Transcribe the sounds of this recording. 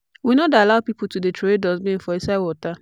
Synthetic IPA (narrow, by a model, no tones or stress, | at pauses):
winodalaʊpip̩tudetoedɔzmĩn̩fɔisawɔta